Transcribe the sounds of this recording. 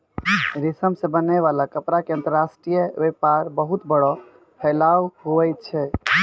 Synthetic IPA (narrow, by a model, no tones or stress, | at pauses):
ɾisəmsẽbənaβalakəpɾakeənt̪əɾasʈɾijəbepaɾbəɦut̪bəɽɔ | pʰɛlawɦoɛjt̪t͡ʃʰɛ